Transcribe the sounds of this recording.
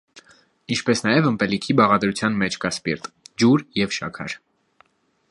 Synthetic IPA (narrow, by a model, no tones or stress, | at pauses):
int͡ʃʰpɛsnɑjɛvəmpɛlikʰibɑʁɑd̪ɾut͡sʰjɑnmɛt͡ʃʰkɑspiɾt̪d͡ʒuɾjɛvʃɑ̰kʰɑ̰ɾ